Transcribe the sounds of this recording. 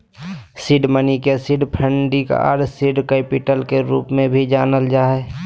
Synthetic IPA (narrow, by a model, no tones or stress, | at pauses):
sɪɖmənikesɪɖpʰə̃ɳɖika̰ʔa̰ːɾsɪɖkeːpɪʈəlkeɾṵːpmẽbʱid͡ʒaːnəld͡ʒaːɦɛ